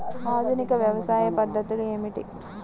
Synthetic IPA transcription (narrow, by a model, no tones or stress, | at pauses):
aːd̪ʱunikɐʋjɐʋɐsaːjɐpɐd̪ʱːɐt̪ulueːmiʈḭ